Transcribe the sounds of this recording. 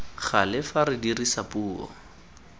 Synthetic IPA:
χalɪfaɾɪdirisapuːɔ̰

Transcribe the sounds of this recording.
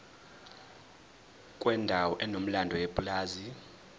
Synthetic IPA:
kʼwɛndʱawɔʔɛnom̩landʱɔwepʼulaːzi

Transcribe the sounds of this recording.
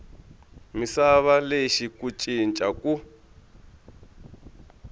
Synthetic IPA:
misaβaleʃikut͡ʃʼint͡ʃʼaku

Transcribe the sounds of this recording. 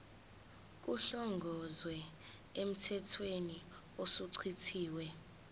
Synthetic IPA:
k̬uɬɔŋɡʱɔzwɛ | em̩tʰɛtʰweni | osuǀʰitʰiːwɛ

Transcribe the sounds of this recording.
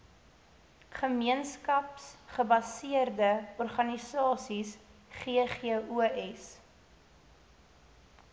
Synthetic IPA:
χəmiənskɐpsχəbɐsiərdəɔrχɐnisɑːsisχiəχeəuɛs

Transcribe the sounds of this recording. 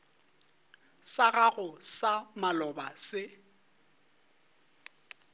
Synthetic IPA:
saɣaɣʊsamalɔbasɪ

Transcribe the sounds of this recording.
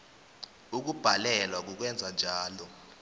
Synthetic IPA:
uk̬ub̥ʱalɛlwak̬uk̬wɛnd͡zʱand͡ʒʱaːlɔ

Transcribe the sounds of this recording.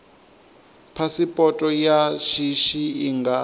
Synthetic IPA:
pʰasipʼɔtʼɔjaʃiʃiːŋɡa

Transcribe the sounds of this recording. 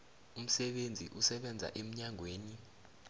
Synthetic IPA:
um̩sɛɓend͡zʱḭʔusɛɓɛnd͡zʱa̰ʔem̩ɲaŋʱweːni

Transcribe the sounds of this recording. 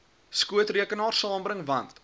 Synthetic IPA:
skuətriəkənɑːrsɑːmbɾəŋvɐnt

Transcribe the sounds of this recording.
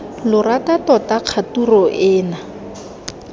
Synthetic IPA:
lʊratatɔtaq͡χʰaturɔʔɛːna

